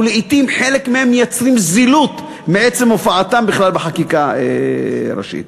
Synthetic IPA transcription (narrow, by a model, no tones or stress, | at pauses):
leit̪imħe̞lekmehemːejat͡sʁimzilut̪ | meet͡semofaat̪ambiχlalbeħakikaeɾa̰ʃḭt̪̚